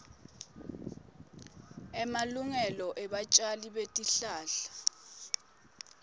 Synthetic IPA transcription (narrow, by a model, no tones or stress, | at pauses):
ɛmaluŋɛlɔʔɛɓat͡ʃʼaliɓetʼiɬaːɬḁ